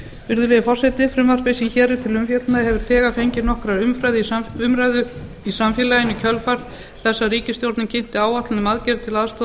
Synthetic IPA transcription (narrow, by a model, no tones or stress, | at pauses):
vɪɾðʏlɛðɪfɔr̥sɛt̪ɪfɾʏmvar̥pesinçɛːɾɪt̪ʰɪlʏmfjɛt̪naðhɛvʏɾ̥θɛːɣafejɲcɪɾnɔhkɾaɾʏmfɾajðɪʏmɾajðʏ | isamfjɪlajɪnʏcʰœlfaɾ̥ | θɛsːaɾiːcɪst̪jowɾt̪nɪmcʰɪn̥t̪ɪaːwat̪lɪnɪmaðcɛɾt̪ʰɪlaðst̪o